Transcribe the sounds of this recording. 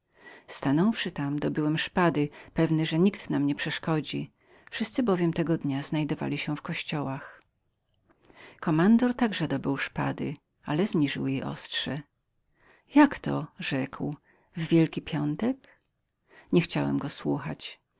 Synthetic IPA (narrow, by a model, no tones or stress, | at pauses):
st̪anɔwfʂɘt̪amd̪ɔbɘwɛmʂpad̪ɘpɛvnɘʐɛɲikt̪namɲɛpʂɛʂkɔd͡ʑi | fʂɘst̪sɘbɔvʲjɛmt̪ɛɡɔd̪ɲaz̥najd̪ɔva̰lʲiɕɛfkɔɕt͡ɕɔwax | kɔmand̪ɔɾt̪aɡʐɛd̪ɔbɘwʂpa̰d̪ɘ̰ | alɛzɲiʐɘ̰wjejʔɔ̰stʂɛ | jakt̪ɔ̰ʐɛkw | vvʲjɛlkʲipʲjɔnt̪ɛk | ɲɛxt͡ɕawɛ̰mɡɔswuxa̰t͡ɕ